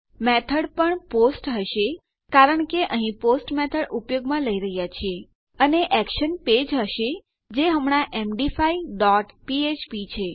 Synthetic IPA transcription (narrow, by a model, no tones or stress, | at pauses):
mɛt̪ʰəɽpəɳposʈɦəʃe | kaɾəɳkeʔəɦĩposʈmɛt̪ʰəɽupjoɡmãləiɾəɦjat͡ʃʰie | əneʔɛkʃənped͡ʒɦəʃe | d͡ʒeɦəmɳ̃aʔemɖifaiɖɔʈpiet͡ʃpit͡ʃʰe